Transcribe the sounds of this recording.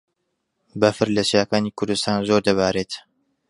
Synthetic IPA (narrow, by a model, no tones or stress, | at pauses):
bɐfɨɾlɐsjaːkaːnikʰʊɾd̪ust̪aːnzoɾd̪ɐβaːɾeːt̪